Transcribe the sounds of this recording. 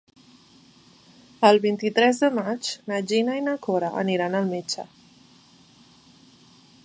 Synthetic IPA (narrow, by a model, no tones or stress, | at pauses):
əlˠβint̪it̪ɾɛzðəmat͡ʃnad͡ʒinainəkoɾaʔə̰niɾanəlˠmet͡ʃə̰